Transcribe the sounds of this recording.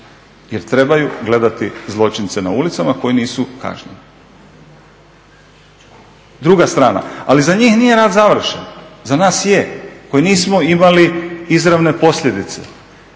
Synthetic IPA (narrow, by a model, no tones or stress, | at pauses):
jeɾt̪ɾe̞bajuɡle̞d̪at̪izlˠo̞t͡ʃint̪se̞na̰ulit̪samako̞jiniːsuka̰ʒɲḛni | d̪ɾuɡast̪ɾaːna̰alizaɲiːxnije̞ɾaːd̪zaʋr̩ʃenzanaːsjeko̞jiniːsmo̞imaliizɾaʋne̞po̞sʎʲed̪it̪se̞̰